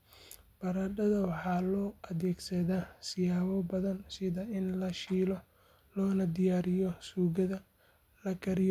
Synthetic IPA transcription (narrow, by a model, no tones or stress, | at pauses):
b̥ɐɾɐd̪ɐðɐwɑħɑːlɔːʔɐðɛːɡsɐðaːsɪjaːwɔbɐðɐnsɪðɐɪnlɐʃiːl | lɔːnɐd̪ɪjaːɾɪjɔsuːɣɐðɐ | lɐɡʰɐɾɪj